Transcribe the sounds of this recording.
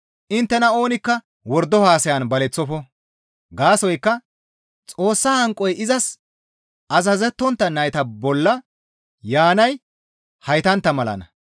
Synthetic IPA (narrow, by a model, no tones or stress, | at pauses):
ʔɪnt̪ːɛnɐo̞ːnɪkːɐ | wɔɾd̪ːɔhaːsɐjɐnbɐlɛt͡sːɔfɔ | ɡaːsɔjkːɐ | t͡sʼo̞ːsːaːhɐŋkʼːɔjɪzɐs | ʔɐzɐzɛt̪ːɔnt̪ːɐnɐjt̪ɐbɔlːɐ | jaːnɐj | hɐjt̪ɐnt̪ːɐmɐlɐ̰nɐ̰